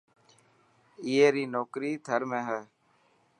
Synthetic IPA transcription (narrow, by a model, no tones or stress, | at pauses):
ɪeːɾiːnoːkɾiːt̪ʰəɾmẽːɦɛː